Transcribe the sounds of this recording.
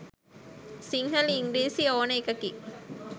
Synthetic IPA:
siŋɦɐliŋɡɾiːsioːnɐekɐki

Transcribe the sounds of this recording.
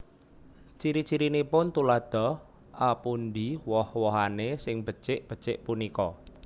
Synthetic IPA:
t͡ʃiɾit͡ʃiɾinipʊnt̪ulad̪̥ɔ̤ | ʔapund̪iwɔhwɔɦanesɪŋb̥ət͡ʃɪʔb̥ə̤t͡ʃɪ̰ʔpunikɔ

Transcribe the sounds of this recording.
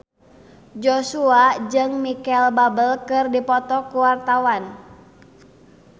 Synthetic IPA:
d͡ʒosuad͡ʒɨŋmikɛlbabəlkɨrdipɔt̪ɔkuwart̪awan

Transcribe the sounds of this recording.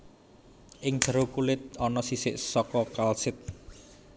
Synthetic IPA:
ʔɪŋd̥əɾokulɪt̪̚ɔnɔsisɪʔsɔkɔkalsɪt̪̚

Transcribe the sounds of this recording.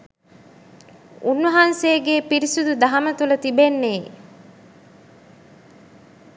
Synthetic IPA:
unʋɐɦanseːɡeːpiɾisud̪ud̪ɐɦɐmət̪ulɐt̪ibenːeː

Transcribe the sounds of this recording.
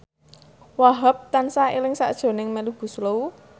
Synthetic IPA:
waɦəp̚t̪ansailɪŋsa̰ʔd̥ʒ̥o̤nɪŋmɛluɡ̥ṳsləu

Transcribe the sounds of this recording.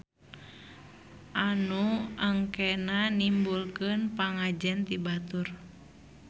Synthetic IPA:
ʔanuaŋkɛnanimbulkɨnpaŋad͡ʒɛnt̪ibat̪ur

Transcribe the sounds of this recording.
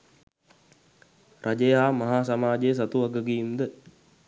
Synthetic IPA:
rʔad͡ʒejɦaːmaɦaːs̬amaːd͡ʒejəs̬at̪uʋaɡəɡiːmd̪ə

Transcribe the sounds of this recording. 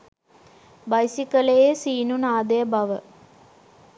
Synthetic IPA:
bɐjsikɐlɐjeːsiːnunaːd̪ɐjɐbɐʋə

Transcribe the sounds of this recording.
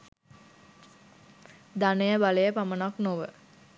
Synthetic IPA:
d̪anejəbalejəpamənaknoʋə

